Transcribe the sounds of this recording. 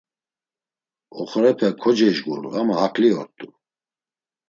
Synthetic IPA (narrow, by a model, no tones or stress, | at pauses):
ɔχɾɛpʰɛkʰɔd͡ʒɛʒɡṵlṵamaɦakʰʼliɔɾt̪ʼu